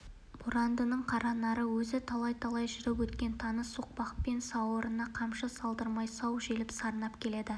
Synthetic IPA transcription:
b̥uɾɑnd̪ənəɴqʰɑɾɑnɑɾəwɵzɪt̪ʰɑlˠɑjt̪ʰɑlˠɑjʒʏɾɪpwɵt̪kʲe̞nt̪ʰɑnəsuq̚pɑqpe̞nsɑwəɾənɑqʰɑmʃəsɑlˠd̪əɾmɑjsɑwʒelɪpsɑɾənɑpkʲʰe̞le̞d̪ɪ

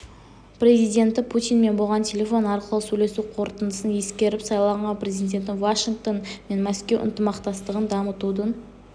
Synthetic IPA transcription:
pɾʲe̞zijd̪ʲe̞nt̪ɪpʰut̪ʲijnme̞nbolˠʁɑnt̪ʲʰe̞lʲe̞fo̞nɑɾqəlˠəsɵjle̞suqʰo̞ɾt̪ənd̪əsənje̞skʲe̞ɾɪpsɑjlˠɑɴʁɑnpɾʲe̞zijd̪ʲe̞nt̪ɪvaʃiŋɡ̚t̪o̞nme̞nmæskʲe̞wʔʊ̰nt̪əmɑqt̪ɑst̪əʁənd̪ɑmət̪ud̪ən

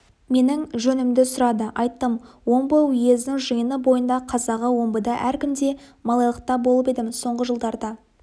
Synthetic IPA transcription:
me̞nɪŋʒɵnɪmd̪ɪsʊɾɑd̪əʔɑjt̪ːəm | wo̞mbəwʏje̞znɪŋʒəjənəbo̞jənd̪ɑqʰɑzɑʁəwo̞mbəd̪ɑʔæɾkʲɪmd̪e̞mɑlˠɑjlˠəq̚t̪ɑbo̞lˠəpe̞d̪ɪmɪzso̞ɴʁəʒəlˠd̪ɑɾd̪ɑ

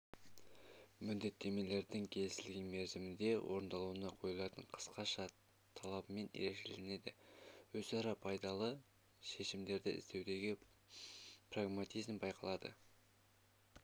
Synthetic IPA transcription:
mʏd̪d̪e̞t̪ːe̞me̞le̞ɾd̪ɪŋkʲʰe̞lɪsɪlɡʲenme̞ɾzɪmɪnd̪e̞wʔo̞̰ɾnd̪ɑlˠuənɑqʰo̞jlˠɑt̪əɴqʰə̥sqɑʃɑ | t̪ʰɑlˠɑbəme̞nḛɾe̞ʒe̞lɪne̞d̪ɪwɵzɑɾɑpʰɑjd̪ɑlˠə | ʃe̞ʃɪmd̪e̞ɾd̪ɪɪ̰zd̪e̞wd̪e̞ɡʲɪ | praɡmat̪ijzmbɑjqʰɑlˠɑd̪ə̰

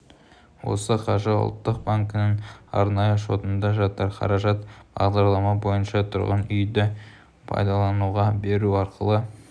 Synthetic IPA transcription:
wo̞̰səqʰɑʒəʊ̰lˠt̪ːəq̚baŋkənəŋɑ̰ɾnɑjəʃo̞t̪ənd̪ɑʒɑt̪ɑɾqʰɑ̰ɾɑʒɑt̪b̥ɑ̰ʁd̪ɑɾlˠɑmɑbo̞jənʃɑt̪ʰʊɾʁənʏjd̪ɪ | pʰɑ̰jd̪ɑlˠɑnuʁɑbe̞ɾuɑɾqəlˠə

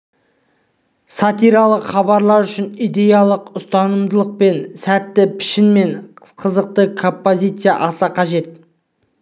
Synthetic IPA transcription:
sɑt̪ijɾɑlˠəqχɑbɑɾlˠɑɾʏʃɪnijd̪e̞jɑlˠəqʊst̪ɑnəmd̪əlˠəq̚pe̞nsæt̪ːɪpʰɪ̥ʃɪnme̞nqʰəzəq̚t̪əkʰo̞mpːo̞zʲijt̪sɨja̰ʔɑsɑqʰɑʒe̞t̪̚

